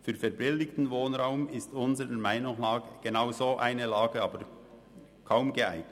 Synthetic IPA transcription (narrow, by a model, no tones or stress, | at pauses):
fyːɾfɛɾbɪldɪktn̩voːnʁaʊmɪstʊnzəɾəmaɪnʊŋlɑːɡəɡ̥enaʊzoːʔaɪnəlɑːɡəɑːbəɾ | kʰaʊmɡəa̰ɪɡ